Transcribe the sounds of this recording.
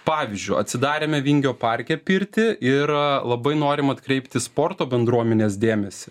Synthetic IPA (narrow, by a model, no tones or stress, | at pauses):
pɑːʋʲɪzʲd͡ʒʲʊɪɐt̪ʲsʲɪd̪ɑːɾʲeːmʲɛʋʲɪŋʲɡʲoːpɑɾʲkʲɛpʲɪɾʲt̪ʲɪʔɪɾlˠɐbɐɪnoːɾʲɪmɐt̪kɾʲɛɪpʲt̪ʲɪspoːɾt̪oːbʲɛnd̪ɾuɔmʲɛnʲeːs̬d̪ʲeːmʲɛsʲɪ